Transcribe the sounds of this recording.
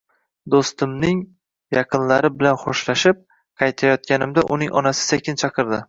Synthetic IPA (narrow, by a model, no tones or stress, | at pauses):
d̪ost̪ɪmnɪŋ | jɑqʰɨnlaɾɪbɪlanχɒʃlaʃɪp̚ | qʰɑjt̪ʰajɒt̪̚kʲanɪmd̪aʔʊnɪ̰ŋʔɒ̰nasɪ̥sekʲʰɪnt͡ʃʰɑqʰɨɾd̪ɪ